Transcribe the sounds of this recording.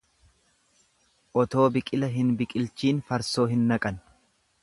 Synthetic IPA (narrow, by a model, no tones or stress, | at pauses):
ʔɔt̪o̞ːbɪkʼɪlɐɦɪnbɪkʼɪlt͡ʃiːnfɐɾso̞ːɦɪnːɐkʼɐn